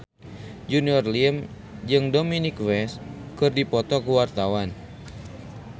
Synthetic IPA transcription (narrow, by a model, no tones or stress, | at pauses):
d͡ʒuniɔrlim | d͡ʒɨŋdominikwɛskɨrdipɔt̪ɔkuwart̪awan